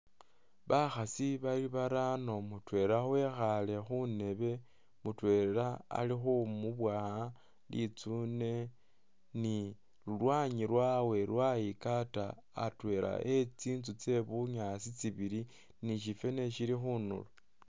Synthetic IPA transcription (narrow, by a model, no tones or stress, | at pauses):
βaxasiβaliβaɾano̞mutwe̞axue̞xale̞xune̞βe̞ | mutwe̞ːɾeɾaa̰lixumuβwaha | lḭt͡sune̞ | ni | lulwaɲiɾwawe̞lwaikata̰ː | twe̞ɾʔa̰ʔe̞t͡siːnt͡sut͡se̞βuɲasit͡siβiɾi | niʃ̬ife̞ne̞ʃilixuːnṵlo